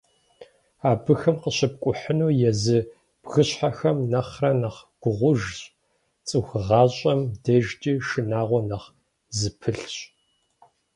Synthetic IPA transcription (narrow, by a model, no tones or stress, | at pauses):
aːbɨxɨmqəɕɪp̚kʷʼʊħənuːjɛzɨ | b̥ɣɨɕħaxɐmnɐχrɐnɐχɡ̥ʷʊʁʷʊʒɕ | t͡sʼɨxɨʁɑːɕʼɐmdɐʒtʼiːʃɨnaːʁʷɔnɐχ | zɨpʰɨɬɕʼ